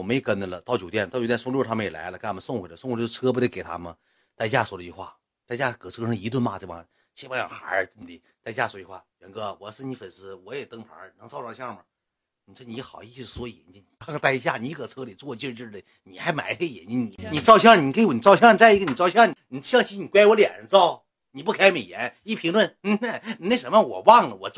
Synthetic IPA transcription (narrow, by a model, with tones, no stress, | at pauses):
me˧˥˨kə˥nə˧˩lə˨t̪ʊt͡ɕjo˨˩ʊt̪jɛ˥˩nt̪t͡ɕtjɛ˥˧sʊ˥˧ŋ˧jo˥˧˩t̪ʰa˥mə˧jɛ˨˩la̰˧˥ɪlə˧kwə˧˦sʊ˥˧ŋxwe˨˩ɪlə˦sŋ˧˥˩t͡sʰɤ˥p̬d̪e˥˩ke˨˩ɪt̪ʰa̰˥mə˨ | t̪a˥˧ɪt͡ɕja˥˩swɔ˥lə˧t͡ɕy˧xwa̰˥˩ | t̪a˥˧ɪt͡ɕja˥˩˧kʰɤ˨˩t͡sʰɤ˧˥ʂ̩˥˩˧i˧˥t̪̬wə˥˩nma˥˧ʈ͡ʂa̰˥˧ | t͡ɕʰi˥pa˥jɑ̰˨˩xa̰˧˥˧n˧t̪i˧˩ | t̪a˥ɪt͡ɕja˥˩swɔ˧˥˧t͡ɕy˧xwa̰˥˩ɥɛ˧˥nɡɤ˧˩wɔ˨˩ʂɻ̩˥˩ni˧˥fə˨˩nʂ̩˧˥wɔ˧˥jɛ˨˩t̪ɤ˥ŋpʰa̰˧˥nɤ˧˥ŋt͡sɑ˥˧ʊɑ˥˧˩ɕjɑ˥˩mə˨˩ | ni˨˩˧ni˧˥˧xɑ˨˩ʊi˥˧˩swɔ˧˥i˨˩˨ni˨˧˩kʰŋ˧t̪a˥˧ɪ˧ɕ̬ja˥˩ni˧˥kʰɤ˨˩t͡sʰɤ˥li˨˩t͡swɔ˥˧t͡ɕi˥˧ʈ͡ʂɻ̩˥˧ə˧˩ | ni˨˩xa˧˥ɪma̰˨˧˥ɪtʰe˥ɡə˧jɛ̰˨˩˦nt͡ɕi˥˩ni˨˧˩ni˨˩t͡sɑ˥˧ʊɕ̬jɑ˥˩˧ni˨˩ke˥ɪ˧˩ni˨˩t͡sɑ˥˧ʊɕjɑ˥˧t͡sa˥˧ɪi˧˥ɡə˧˨ni˨˩t͡sɑ˥˧ʊɕjɑ˥˩ni˩n˨˩ɕjɑ˥˧ŋt͡ɕʰi˥ni˨˩kwa˥ɪwɔ˧˥ljɛ˨˩ɻə˧˥t͡sɑ˥˩ʊ | ni˨˩p̬u˥˩kʰa˥ɪme˨˩jɛ˧˥ni˥˩pʰi˧˥ŋlwə˥˩nn̩˥˧na˥˧˩ne˥˩ʂə˧˥mə˥˩wɔ̰˨˩wɑ˥˩ŋnə˨wɔ̰˨˩t͡s